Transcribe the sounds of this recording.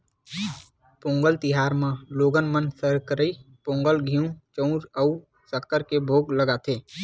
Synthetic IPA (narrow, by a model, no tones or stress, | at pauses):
põːŋɡəlt̪ɪɦaːɾmãloːɡənmənsəɾkɾəipõːŋɡəlɡʱijũt͡ʃə̃ũɾə | səkːəɾkebʱoːɡləɡat̪ʰeː